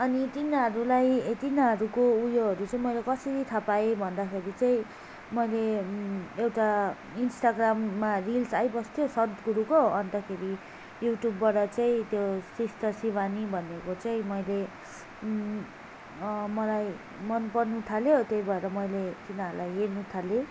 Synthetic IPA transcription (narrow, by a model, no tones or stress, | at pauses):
ʌnit̪inaɦʌɾulajet̪inaɦʌɾukoujoɦʌɾut͡sʌĩmʌjlekʌsiɾit̪ʰʌpaebʱʌnd̪akʰeɾit͡saĩ | mʌjle | ewʈa | insʈaɡramːarilsajbʌst̪ʰijosʌd̪ɡuɾukoʌnt̪ʌkʰeɾi | juʈjubːaɽʌt͡sʌĩt̪josist̪ʌsibanibʱʌnekot͡sʌĩmʌjle | mʌlaj | mʌnpʌɾnut̪ʰaljot̪jojbʱʌeɾʌmʌjlet̪inaɾulajɦeɾnut̪ʰaljo